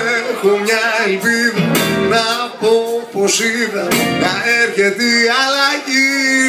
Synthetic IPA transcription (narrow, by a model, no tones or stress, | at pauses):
komɲaelpiðɐnapoposiðɐkaɛɾçet̪ialaʝi